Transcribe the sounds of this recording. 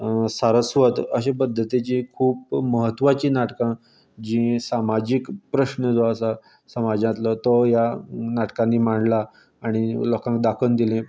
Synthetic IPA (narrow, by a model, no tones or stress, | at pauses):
saɾəsʋət̪ə̰ɕepəd̪ʱːət̪it͡ɕikʰuːp̚məɦət̪ːʋat͡ɕiːnaʈkã | d͡ʑĩsamad͡ʑikpɾəɕnəd͡zaəsa | səmad͡ʑãt̪lət̪ɔjanaʈkãnːimaɳɖlaː | ɽ̃ilɔkãŋk̚d̪akʰənd̪ilẽ